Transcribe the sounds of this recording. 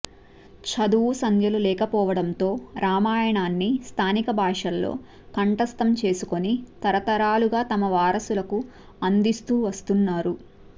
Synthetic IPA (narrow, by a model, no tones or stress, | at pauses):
t͡ʃʰɐd̪uʋusɐnd̪jɐlulɛːkɐpɔːʋɐɽɐnt̪o̞ːɾʔaːmaːjɐɳaːnːist̪ʰaːnikɐbʱaːʂɐlːo̞̰ː | kɐɳʈɐst̪ɐmt͡ʃe̞ːsuko̞nit̪ɐɾɐt̪ɐɾaːluɡaːt̪ɐmɐʋaːɾɐsulɐku | ɐnd̪ist̪uːʋɐst̪unːaːɾu